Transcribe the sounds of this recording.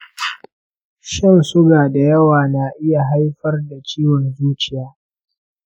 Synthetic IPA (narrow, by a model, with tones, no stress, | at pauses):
ʃɪ˦˨nsʊ˦ɡaː˨da˨jɐ˦waː˨na˨ʔɪ˦ja˨ɦa˦jɸɐ˦rda˨t͡ʃiː˦wɔ˨nzuː˦t͡ʃɪ˦jaː˦